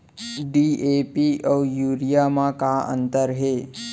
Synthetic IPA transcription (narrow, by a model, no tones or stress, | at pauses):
ɖiepiʔəwjuɾijamãkaə̰nt̪əɾɦe